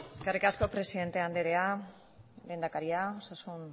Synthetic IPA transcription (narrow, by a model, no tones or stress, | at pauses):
e̞ske̞rikasko̞pɾe̞siðe̞nt̪e̞and̪eɾe̞a | lejnd̪akaɾiaosasun